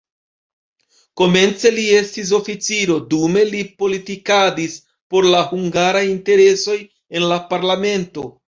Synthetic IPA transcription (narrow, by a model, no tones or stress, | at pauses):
ko̞me̞nt͡se̞lie̞stis̬o̞fit͡siɾo̞dume̞lipo̞litikadis | po̞ɾlahuŋɡaɾajinte̞ɾe̞so̞j | e̞nlapaɾlame̞nto̞